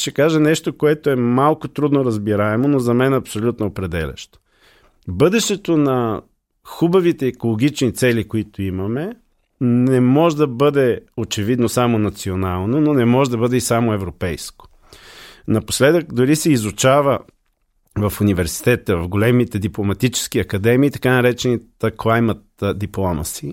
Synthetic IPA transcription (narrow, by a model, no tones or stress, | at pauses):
ʃɛkaʒɐnɛʃt̪okoɛt̪oɛmalˠkʊt̪ɾud̪noɾɐzbiɾaɛmonozɐmɛnɐpsolʲut̪noopɾɛd̪ɛlʲɐ̰ʃt̪o̥ | bɤd̪ɛʃt̪ɛt̪onɐ | xubɐvit̪ɛːkolˠoɡ̟it͡ʃnit̪sɛlʲikoit̪oimɐmɛ | nɛmɔʒɛd̪ɐbɤd̪ɛot͡ʃɛvid̪nosamonɐt̪sionalˠnononɛmɔʒɛd̪ɐbɤd̪ɛisamoɛvɾopɛjsko̥ | nɐposlɛd̪əkd̪ʊɾisɛizut͡ʃavə | vɐfunivɛɾsi̥t̪ɛt̪əvɐfɡolɛmit̪ɛd̪iplˠomɐt̪it͡ʃɛ̥skiɐkɐd̪ɛmiːt̪ɐ̥kanɐɾɛt͡ʃɛnit̪əklˠajmət̪d̪iplˠɔmɐ̰si